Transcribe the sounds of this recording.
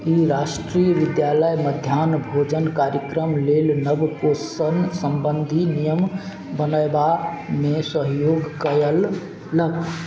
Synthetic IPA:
iɾasʈɾijəʋid̪jaləjməd̪ʱjanbʱod͡ʒənkaɾjəkɾəmlelnəbkosənsəmbənd̪ʱinijəm | bənəjba | mesəɦjoɡkəjəlː | ək

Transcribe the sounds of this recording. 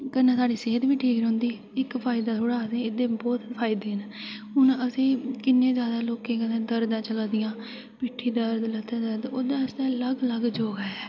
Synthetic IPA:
kənãːsaːɽiːseːəd̪ʋiːʈʰiːkɾɦʊ̃nd̪iː | ɪkpʰaːɪd̪aːt̪ʰoːɽaːd̪ẽːɪd̪ẽːbɔːt̪pʰaːɪd̪eːnːɦʊɳəsĩːkɪnːẽːzjaːd̪aːloːkẽːkənẽːd̪əɾd̪ãːt͡ʃəlaːd̪ɪjãː | piːʈʰːiːd̪əɾd̪lət̪ʰːeːd̪əɾd̪oːd̪aːsd̪aːləɡləɡd͡ʒoːɡaːɛː

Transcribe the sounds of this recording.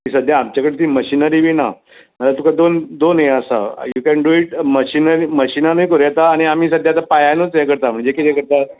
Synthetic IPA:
miːsəd̪ʱjaːmt͡ɕjakəɽet̪iːməɕiːnəɾiʋiːna | məlat̪ukad̪ond̪onɦeəsa̰jukɛnɖuiʈməɕiːnəɾiməɕiːnanəjkoɾjat̪aːɽ̃iam̤iːsəd̪ʱjat̪apajanot͡sakəɾt̪am̤əɳd͡zekit̪ɛkəɾt̪a

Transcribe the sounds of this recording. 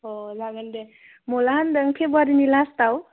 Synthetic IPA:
ɦozaɡənd̪e | molaɦand̪əŋkʰebʌɾinilast̪aw

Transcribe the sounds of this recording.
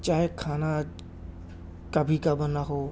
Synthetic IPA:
t͡ʃaːɦekʰaːna | kəbʱikabənaɦoː

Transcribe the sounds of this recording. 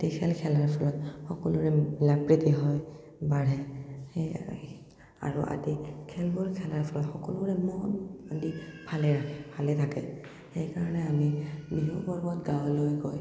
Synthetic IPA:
tekʰɛlkʰɛlaɹpʰɔlɔtxɔkulʊɹɛilapɹitiɦɔj | baɹɛ | a̰ɹṵʔa̰dikʰɛlbɔlkʰɛlaɹpʰɔlɔtxɔkɔlʊɹɛmɔtadibʰʱalɛɹakʰɛpʰalɛtʰakɛ | xejkaɹɔnɛamibiɦubɔɹbɔtɡawlojɡɔj

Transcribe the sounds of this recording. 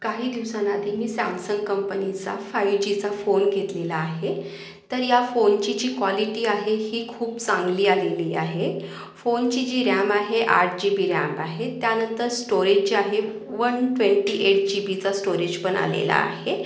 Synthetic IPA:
kaɦiːd̪iʋsanad̪ʱiːmiːsa̰msəŋɡkəmpənit͡sa̰faiʋd͡ʑit͡safonɡʱet̪lelaːɦe | t̪əɾjafont͡ɕid͡ʑiːkʋaliʈiːaɦehiːkʰuːpt͡sãŋɡliːaleliːaɦe | font͡ɕid͡ʑiːɾambaɦeʔa̰ɾʈd͡ʑibiːɾa̰maɦet̪janənt̪əɾsʈoɾed͡ʑt͡ɕiaɦe | ʋənʈʋeɳʈiːʔeʈ̚d͡ʑibit͡sasʈoɾed͡ʑpəɳa̰lḛla̰a̰ɦe

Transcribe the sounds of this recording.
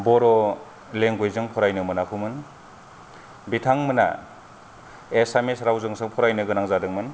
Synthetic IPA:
bɔɾɔ | leŋɡojzɯŋpʰɔɾajnɯmɯnakʰɯmɯn | bitʰaŋmɯna̰ | esamesɾawzɯŋsɯŋpʰɔɾajnɯɡɯnaŋzadɯŋmɯn

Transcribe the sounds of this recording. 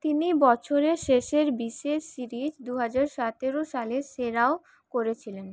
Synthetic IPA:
t̪inibɔt͡ɕʰoɾeʃeʃeɾbiʃesiɾid͡ʑd̪uɦad͡ʑaɾʃat̪eɾoʃaleseɾao | koɾet͡ɕʰilen

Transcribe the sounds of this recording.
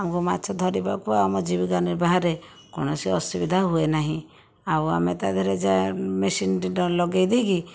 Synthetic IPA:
amkumat̪t͡ʃʰɔd̪ʱɔɾibakuaɔmɔd͡ʒibiɡaniɾbaɦaɾe | kɔ̰nɔsiɔsubid̪ʱaɦuenaɦĩ | awa̰met̪ad̪ʱɔɾed͡ʒamesinʈiɖɔlɔɡejd̪iɡi

